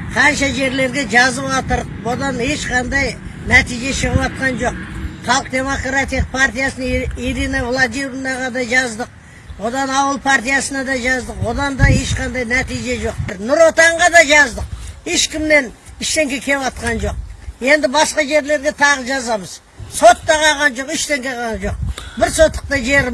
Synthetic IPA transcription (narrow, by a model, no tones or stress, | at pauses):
qʰɑnʃɑʒe̞ɾle̞ɾɡʲe̞ʒɑzəpɑt̪əɾ | wo̞d̪ɑne̞ʃqʰɑnd̪ɑjnæt̪ijʒe̞ʃəʁəpɑt̪̚qɑnʒo̞q̚χɑlˠəq̚d̪ʲe̞mo̞krat̪ʲijq̚pʰart̪ijasəniɾinavlˠad̪ijnɑʁɑd̪ɑʒɑzd̪əq̚ | wo̞d̪ɑnɑwəlˠpʰaɾt̪ijasənɑd̪ɑʒɑzd̪əqwo̞d̪ɑnd̪ɑe̞ʃqɑnd̪ɑjnæt̪ijʒe̞ʒo̞q̚bɪɾnʊɾot̪ɑɴʁɑd̪ɑʒɑzd̪əqheʃkʲɪmne̞nɪʃt̪e̞ŋkʲekʲʰe̞ɑt̪̚qɑnʒo̞q̚je̞nd̪ɪbɑsqɑʒe̞ɾle̞ɾɡʲe̞t̪ʰɑʁəʒɑzɑməz | so̞t̪ːɑʁɑʁɑnʒo̞qɪʃt̪eŋkʲe̞qɑʁɑnʒo̞q̚bɪɾso̞t̪ːə̥q̚t̪ɑʒe̞ɾ